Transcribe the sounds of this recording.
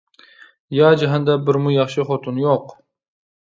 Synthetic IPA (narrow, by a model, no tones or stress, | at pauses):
jɑd͡ʒaɦɛnd̪ɛbɪɾmʊjɑχʃɨχot̪ʰʊnjoq